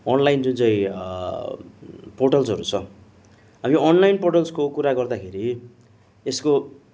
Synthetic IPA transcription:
ʌnlajnd͡zunt͡sʌj̃ | poʈʌlsɦʌɾut͡sʰʌ | ɦamiʌnlajnpoʈʌlskokuɾaɡʌrd̪akʰeɾi | esko

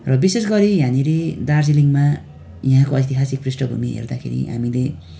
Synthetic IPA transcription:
rʌbisesɡʌɾijãniɾed̪ard͡ziliŋma | jiɦãkoʌjt̪iɦasik̚prisʈʌbʱumiɦḛrd̪akʰḛɾḭɦa̰mile

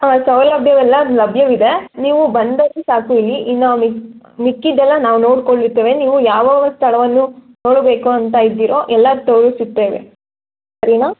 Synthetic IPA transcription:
aːsɐʋlɐbʱjɐʋɛlːɐlɐbʱjɐʋid̪e̞niːʋubɐnd̪ɐlisaːkuilːiʔinːɐmi | mikːid̪ɛlːɐnaːʋuno̞ːɽkoɭːiɾt̪ːeːʋe̞niːʋujaːʋɐːʋɐst̪ʰɐɭɐʋɐnːu | noːɽbe̞ːkuɐnt̪ajid̪ːiːɾo̞ːʔɛlːɐt̪ɐwɾusit̪ːeːʋḛ | sɐɾinaː

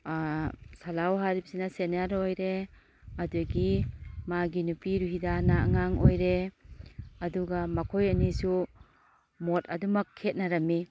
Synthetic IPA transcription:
salawɦaɾipsinasenaɾojɾe | ɐduɡimaɡinupiɾuɦidanaa̰ŋaŋojɾe | ɐduɡamɐkʰojɐnisu | motɐdumɐkʰːet̚naɾɐmːi

